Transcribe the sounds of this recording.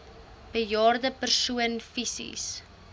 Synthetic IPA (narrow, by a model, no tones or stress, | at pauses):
b̥əljɑːrdəpərsuənfisḭs